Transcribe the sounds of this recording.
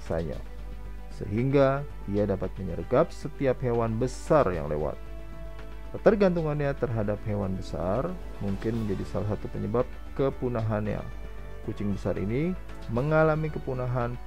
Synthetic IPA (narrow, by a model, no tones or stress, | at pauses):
sa̰ɲa̰ | sə̰ɦiŋɡa | iadapat̪̚məɲə̰rɡap̚sət̪iaphewanbəsarja̰ŋlḛwa̰t̪̚ | t̪ərɡant̪̬uŋanɲat̪ərɦadap̚hewanbəsa̰r | muŋkɪnməɲd͡ʒadisalasat̪upəɲəbap̚kəpunaɦanɲa̰ | kut͡ʃɪŋbəsarʔḭni | məŋalamikəpunaɦan